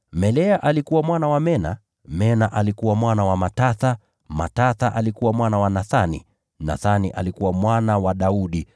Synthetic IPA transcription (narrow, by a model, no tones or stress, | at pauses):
mɛlɛaʔalikuwamwanawamɛna̰ | mɛnaʔalikuwamwanawamataθa | ma̰taθaʔalikuwamwanawanaθanḭ | na̰θanḭʔa̰likuwamwanawaɗauɗi